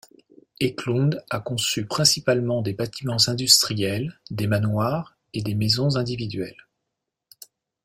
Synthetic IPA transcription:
eklɔ̃d̪akɔ̃sypχɛ̃sipalmɑ̃d̪ebat̪imɑ̃zɛ̃d̪yst̪χijɛld̪emanwaʁ | ed̪emezɔ̃zɛ̃d̪ivid̪ɥɛl

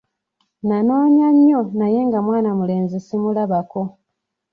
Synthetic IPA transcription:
nanaːɲaɲːo̞naje̞ŋɡamwaːnamule̞ːnzisimulaβako̞

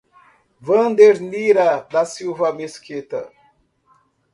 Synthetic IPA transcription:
vɐ̃nd̪eɾniɾɐd̪ɐsiwvɐmeskit̪ɐ̰

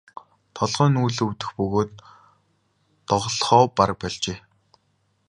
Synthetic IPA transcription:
t̪ʰɔɮʁœːnuːɮuwt̪ɘ̆xpɵɣoːt̪ | ɔʁɮχɔːparə̆k̚pæɮt͡ɕeː

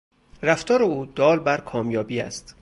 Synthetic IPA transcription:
ræft̪ɒːɾeuːd̪̥ɒːlbæɾkʰɒːmjɒːbiːæ̰st̪

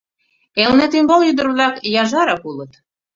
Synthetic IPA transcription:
elnet̪ymboljyd̪ə̆ɾβlɑkjɑʒɑɾɑkulɤ̆t̪

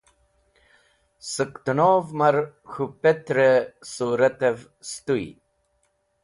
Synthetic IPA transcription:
səkt̪unoːvmaɾxupet̪ɾesuːɾat̪ev | st̪uj̰

